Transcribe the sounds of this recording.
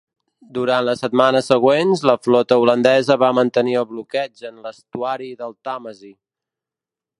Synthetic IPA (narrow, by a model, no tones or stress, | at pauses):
d̪uɾanləsət̪manəsəɣwenzləflɔt̪əulənd̪ɛzəβamənt̪əniəlˠβlukɛd͡ʒənləst̪uaɾiðəlˠt̪aməzi